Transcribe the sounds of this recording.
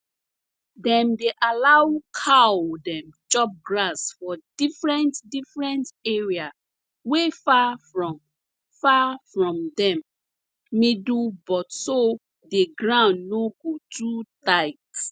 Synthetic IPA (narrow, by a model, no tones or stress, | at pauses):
dɛ̃mdeʔalawkʰawdɛ̃mt͡ʃɔp̚ɡɹasfɔdifɹɛ̃ntdifɹɛ̃ntɛɹia | wefafɹɔ̃m | fafɹɔ̃mdɛ̃mː | idubɔtso | deɡɹãʊ̃ndːoɡotʰɹutaɪt